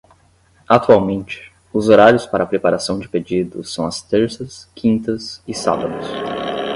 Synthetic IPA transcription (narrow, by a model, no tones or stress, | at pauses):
at̪uawmẽnt͡ʃɪ̥ | ʊzoɾaɾjʊspaɾɐpɾepaɾasɐ̃w̃d͡ʒɪped͡ʒid̪ʊsɐ̃w̃ɐst̪eɾsɐskʰĩnt̪ɐsɪsa̰bɐd̪ʊs